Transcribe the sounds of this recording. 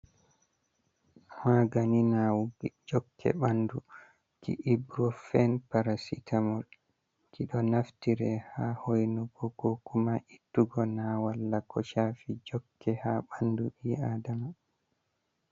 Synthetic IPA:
haɡaninawuɡd͡ʒɔkʰːɛ̰ɓandu | kḭʔibɾɔfɛnpaɾasitʰamɔl | kiɗɔnaftiɾɛhahojnuɡɔɡɔkumaʔitːuɡɔnawalːakɔʃaːfid͡ʒɔkːɛhaɓanduɗiːaːdama

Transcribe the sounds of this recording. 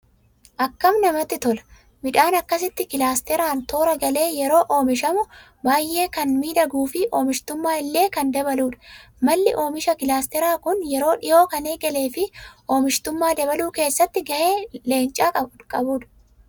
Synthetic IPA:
ʔɐkːɐmnɐmɐt̪ːɪt̪ɔlɐ̥ | mɪᶑaːnɐkːɐs̬ɪt̪ːɪkɪlaːst̪ɛɾaːnt̪o̞ːɾɐɡɐle̞ːjɛɾo̞ːʔo̞ːmɪʃɐmʊ | baːjʔːe̞ːkɐnmiːd̪ɐɡuːfɪʔoːmɪʃt̪ʊmːaːɪlːe̞ːkɐnd̪ɐbɐluːᶑɐ̥ | mɐlːɪʔo̞ːmɪʃɐkɪlaːst̪ɛɾaːkʊnjɛɾo̞ːᶑɪjo̞ːkɐneːɡɛle̞ːfɪʔo̞ːmɪʃt̪ʊmːaːd̪ɐbɐluːke̞ːsːɐt̪ːɪɡɐʔeːle̞ːnt͡ʃʼaːkʼɐbʊkʼɐbuːᶑɐ̥

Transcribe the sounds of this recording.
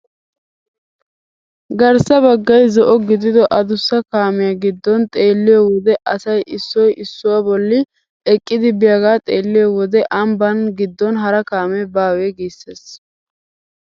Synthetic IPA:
ɡɐɾsɐbɐɡːɐjzɔʔɔɡɪd̪ɪd̪ɔʔɐd̪ʊsːɐkaːmɪjɐɡɪd̪ːɔnt̪ʼe̞ːlːɪjɔwɔd̪ɛʔɐsɐjʔɪsːɔjɪsːʊwɐbɔlːɪ | ɛkʼːɪd̪ɪbɪjɐɡaːt̪ʼe̞ːlːɪjɔwɔd̪ɛʔɐmbɐnɡɪd̪ːɔnɦɐɾɐkaːmɛbaːweːɡiːsːeːs

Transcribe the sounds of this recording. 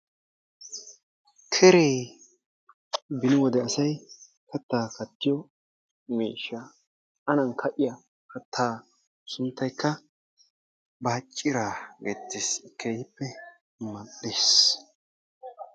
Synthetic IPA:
kʰɛɾeː | bɪnɪwɔd̪ɛɐsɐj | kʰɐt̪ːaːkɐt̪ːɪjɔ | miːʃːa | ʔɐnɐŋkʰɐʔɪjɐ | kɐt̪ʰːaː | sʊnt̪ːɐjkːɐ | baːt͡ʃʼːɪɾaːɡeːt̪ːeːskeːhɪpːɛ | mɐɗeːs

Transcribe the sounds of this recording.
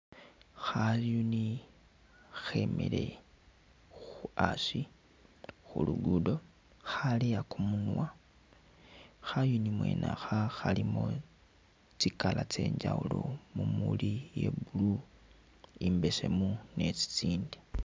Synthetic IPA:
xaljuni | xemḛle̞ | xuasi | xuluɡudo̞ | xaliakumunwa | xajunimwe̞̰nʔaxaxalimo | t͡sikalat͡se̞̰ːɲd͡ʒaulomumṵlije̞̰bulu | imbese̞mune̞t͡si̥t͡siːndi̥

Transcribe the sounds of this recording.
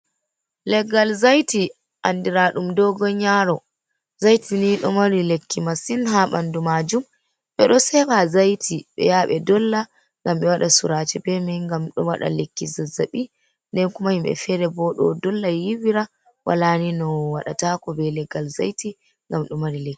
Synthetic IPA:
lɛɡalzajti | ʔandiɾaɗumdɔɡɔɲaɾɔ | zajtiniɗɔmaɾilekːimasinɦaɓa̰ndumad͡ʒum | ɓɛɗɔsɛbazajtʰiɓɛ̰jaɓɛdɔlːa | ŋɡamɓɛwaɗasuɾat͡ʃɛbɛmɛŋɡamɗɔwa̰ɗa̰lekːizazaɓi | ndɛnkumahimɓɛ̰fɛɾɛbɔɗɔ̰dɔlːajiwiɾa | wʔa̰laninɔwaɗa̰takɔbɛlɛɡalza̰jti | ŋɡamɗɔmaɾilekːi̥

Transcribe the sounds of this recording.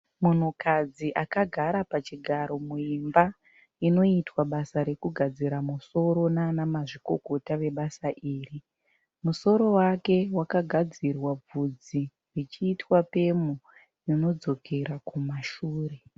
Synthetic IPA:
mun̤ukad͡ziʔakaɡʱaɾapat͡ʃiɡʱaɾo̞muimba | ino̞itwaɓasaɾe̞kuɡʱad͡ziɾamuso̞ɾo̞nanamaʐiko̞ko̞taʋe̞ɓasaʔiːri | muso̞ɾo̞wake̞wakaɡʱad͡zirwab͡vud͡zi | rit͡ʃiːtwape̞mu | juno̞d͡zo̞kʰe̞ɾakumaʃuːre̞

